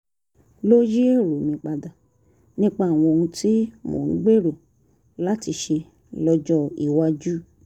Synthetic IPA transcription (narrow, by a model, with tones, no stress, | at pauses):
lo˦ji˦e˦˨ɾo˨mĩ˧k͡pa˧da˨ | nĩ˦k͡pa˧˦a˨w̃ɔ̃˧o˧ũ˧ti˦mo̰˨ñ̩˦ɡ͡be˦ɾo˨ | la˨˦ti˧ʃe˧ | lɔ˧d͡ʒɔ˦˨i˨wa˧d͡ʒu˦˨